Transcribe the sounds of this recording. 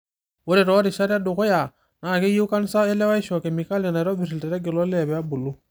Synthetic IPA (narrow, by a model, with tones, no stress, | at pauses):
wo˦ɾɛ˨ɾɔ˨˦ɾi˨ʃa˦ɾa˦du˨ko˦ja˨ | na˨ke˦ji˦wka˦n˦sa˦e˦lɛ˦wa˦i˦ʃɔ˨kɛ˨mi˨ka˦le˨na˨ɾɔ˦bi˨ɾi˨lte˨ɾɛ˦ɡe˨lɔ˦lɛ˨bɛ˨a˦bu˨lu˦